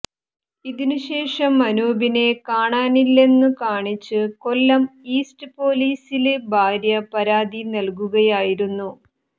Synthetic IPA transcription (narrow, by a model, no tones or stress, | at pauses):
iðinuɕe̞ːʂɐmːɐnoːbine̞kaːɳaːnilːe̞nːɨkaːɳit͡ɕːɨko̞lːɐmiːsʈɨpo̞ːliːsilebʱaːɾjɐpɐɾaːd̪inɐlk̬uɣɐjaːjiɾunːu